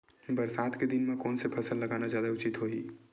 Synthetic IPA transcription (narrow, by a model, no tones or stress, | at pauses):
bəɾsat̪ʰked̪inmekoːnsepʰəsəlːəɡanad͡ʒjad̪aut͡ʃit̪ɦoɦḭ